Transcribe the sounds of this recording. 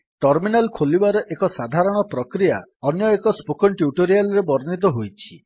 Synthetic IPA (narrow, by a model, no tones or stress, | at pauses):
ʈɔɾminalkʰolibaɾɔʔekɔsad̪ʱaɾɔɽ̃ɔpɾɔkɾija̰ɔnjɔekɔspokɔnʈjuʈoɾialɔɾebɔɾnit̪̬ɔɦojt͡ʃʰi̥